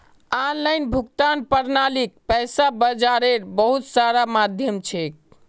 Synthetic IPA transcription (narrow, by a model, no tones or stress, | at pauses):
anlajnbʱukt̪anpəɾnalik̚pɛjsabəd͡ʒaɾeɾbəɦut̪saɾamad̪ʱjəmt͡ʃʰek̚